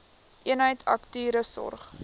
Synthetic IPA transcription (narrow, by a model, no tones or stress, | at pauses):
ʔiənɦəjtʰɐktyːɾəsɔ̰rχ